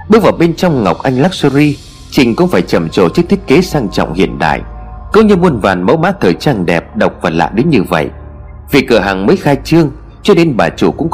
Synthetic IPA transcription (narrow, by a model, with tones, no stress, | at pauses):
ɓɨ˦˥k̚vaː˨˩wɓe˧nt͡ɕɔ˧wŋ͡mŋa˨˩wk͡p̚ʔa˧jŋ̟laː˦˥k̚su˧ɾi˧ | t͡ɕï˨˩ŋ̟kʊ̰˧˥ŋ͡mfaː˧˩jt͡ɕə˨˧˩mt͡ɕo̰˧˨t͡ɕɨ˦˥k̚t̪i˦˥t̚ke˨˦saː˧ŋt͡ɕɔ̰˧˨wŋ͡mhḭ˧˨ənɗa̰ː˧˨jʔko˨˦wɲɨ˧mu˧ənvaː˨˩nmə̰˨˧˥wma̰ː˧˥t̪ʰəː˨˩jt͡ɕaː˧nɗɛ˨˩p̚ɗə˨˩wk͡p̚vaː˨˩la̰ː˧˨ɗe˨˦nɲɨ˧və̰˧˨j | vi˨˩kːɨ˧˩əɦaː˨˩ŋməː˨˦jxaː˧jt͡ɕɨ˧əŋ | t͡ɕɔ˧˥ɗe˨˦nɓaː˨˩t͡ɕu˧˩kʊ̰˧˥ŋ͡m